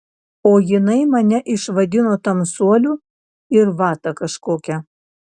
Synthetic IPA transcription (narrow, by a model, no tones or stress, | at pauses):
oːjɪnɐɪmɐnʲɛʔɪʃʋɐd̪ʲɪnoːt̪ɐmsuɔlʲuː | ɪɾʋɑːt̪ɐkɐʃkoːkʲɛ